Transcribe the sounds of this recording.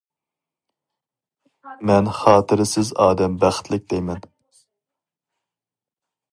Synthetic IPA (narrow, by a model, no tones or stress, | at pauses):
mɛnχɑːt̪ʰɨɾɪsɪzɑːd̪ɛmbæχt̪ʰlɪk̚ʲd̪ɛjmɛn